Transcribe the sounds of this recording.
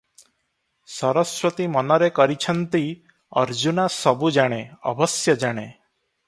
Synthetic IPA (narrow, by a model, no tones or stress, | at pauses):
sɔɾɔswɔt̪imɔnɔɾekɔɾit͡ʃʰʌnt̪i | ʌɾd͡ʒunasɔbud͡ʒaɽ̃eɔ̰bɔsjʌd͡ʒaɽ̃e